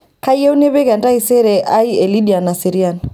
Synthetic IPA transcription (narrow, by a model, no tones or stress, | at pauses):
kajɛunɛβɛɣandaisɛɾɛʔaiɛliɗianasiɾian